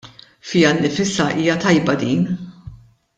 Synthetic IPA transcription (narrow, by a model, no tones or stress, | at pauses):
fɪjɐnːɪfɪsɐʔiːjɐt̪ɐjbɐd̪iːn